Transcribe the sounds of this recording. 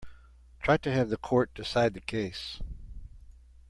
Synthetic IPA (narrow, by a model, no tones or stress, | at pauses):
tʰɹ̥aɪtɨɨvðɨkʰɔɹt̚d̥ɨsaɪd̪̚ðɨkʰeɪs